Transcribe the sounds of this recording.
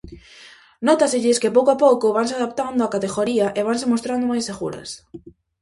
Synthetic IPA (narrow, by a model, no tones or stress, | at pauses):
nɔt̪aseʎɪskepowkoapowkoβaŋs̬eaðap̚t̪and̪oakat̪eɣoɾiaʔeβansemost̪ɾand̪omajseɣuɾɐ̰s